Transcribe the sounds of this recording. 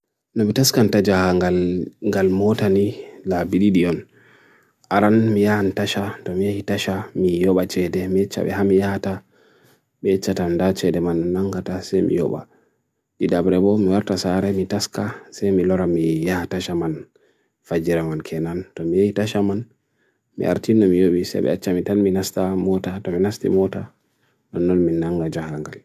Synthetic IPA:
nɔmitaskantad͡ʒahaɡalŋɡalmɔtanilabiɗiɗiɔn | ʔaɾanmijahantaʃatɔmijahitaʃamijɔɓat͡ʃɛdɛmiɛt͡ʃːa̰ɓɛ̰hamijahata | ɓɛɛt͡ʃːatandat͡ʃɛdɛmanːnaŋɡatasɛjmḭjɔ̰ɓa̰ | ɗidabɾɛɓɔmiwaɾtasaɾɛmitaskasɛjmilɔɾamijahataʃaman | fad͡ʒiɾamankʰɛnantɔmijahitaʃaman | mḭʔa̰ɾtinɔmijoɓisɛ̰jɓɛ̰a̰t͡ʃːamitanminastamɔtatɔminastḭmɔta | nɔnːɔnminːaŋɡad͡ʒahɡaŋɡal

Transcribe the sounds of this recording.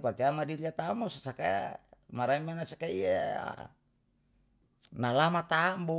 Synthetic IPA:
pat̪iamadiliat̪amosasaka̰maɾamanasakaiaa̰ | nalamat̪ambu

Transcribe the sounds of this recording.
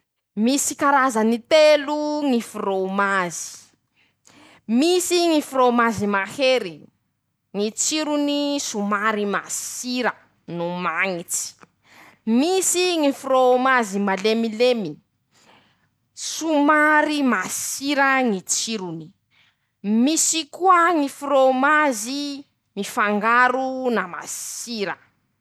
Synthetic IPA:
misikaɾazanit̪eluŋifuromazi̥ | misiŋifuɾomazimaheɾi | ŋit͡siɾunisumaɾima̰siɾə | numaŋit͡si̥ | misiŋifromazimalemilemii̥ | sumaɾimasiɾəŋit͡siɾuni̥ | misikuəŋifromazi | mifaŋɡaɾunama̰ssiɾə

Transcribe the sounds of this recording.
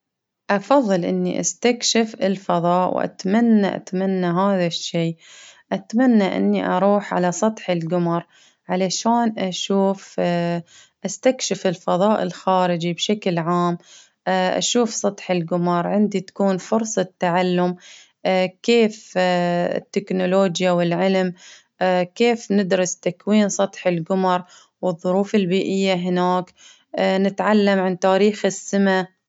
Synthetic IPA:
ʔɑfɑðˤːɨlʔɪnːḭʔa̰st̪akʃɪfɪ̰lfɑðˤɑːʔwʔa̰t̪manːa̰ʔa̰t̪manːaɦaːðaʃːiːʔat̪manːaʔɪ̰nːiʔɑ̰ɾˤuːħʕa̰lasˤɑt̪ˤħɪlɡʊmɑɾˤ | ʕalaʃaːnʔaʃuːf | ʔast̪akʃɪfɪlfɑðˤɑːʔɪ̰lxaːɾɪd͡ʒibʃaklʕaːmː | ʔa̰ʃuːfsˤɑt̪ˤħɪlɡʊmɑɾˤʕɪnd̪it̪ḁkuːnfʊɾsˤɑt̪ːaʕalːʊmː | keːf | ɪ̰t̪ːɪknʊloːd͡ʒjawɪlʕɪlm | keːfnɪd̪ɾʊst̪akwiːnsˤɑt̪ˤħɪlɡʊmɑɾˤ | wɨðˤːʊɾuːfɪlbiːʔɪjːaɦɪnaːkː | nɪt̪ʕalːamʕant̪aːɾiːxɪsːɪma

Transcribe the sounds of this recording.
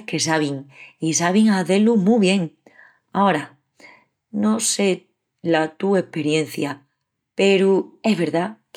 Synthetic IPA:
ke̞s̬aβ̞iŋisaβ̞iŋaθe̞lumuβ̞je̞ŋ | ao̞ɾa | no̞se̞ | lat̪ue̞hpe̞ɾje̞n̟θja | pe̞ɾueɦβe̞ɾðak

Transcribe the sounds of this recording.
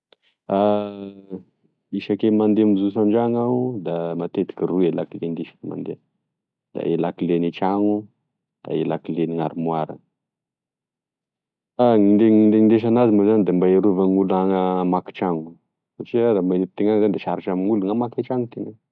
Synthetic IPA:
a | iʃakemand̪eamizus̬and͡ʒaŋaud̪amat̪et̪i̥kiɾuelakilend̪eʃḁma̰nd̪ea | d̪a̰ʔelakilenit͡ʃaŋu | d̪̥a̰elakileniŋa̰ɾimwaɾə̰ | aŋind̪eŋind̪eind̪eʃ̬anazimuzand̪embaeɾuvaŋulaŋamaki̥t͡ʃaŋu | fot͡ʃiad̪amait̚t̪eŋaŋzanid̪eʃaɾit͡ʃamŋuluŋamakat͡ʃaŋut̪eŋa

